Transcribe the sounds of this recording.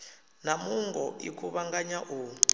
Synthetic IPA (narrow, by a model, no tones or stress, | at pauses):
namuŋɡɔ̰ḭkʰuβaŋɡaɲaʔuː